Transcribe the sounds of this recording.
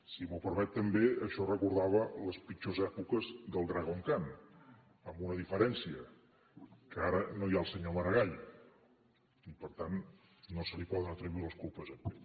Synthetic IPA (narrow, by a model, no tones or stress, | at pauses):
simupəɾmɛt̪ːəmbeəʃɔrəkuɾðaβ̞ələspit͡ʃozɛpukəzðəlˠd̪ɾaɣoŋkan | əmbunəðifəɾɛnsiə | kəaɾənojaəlˠsəɲoməɾəɣaʎ | ipəɾt̪anː | osəlipɔðənət̪ɾəβiləskulˠpəzəpe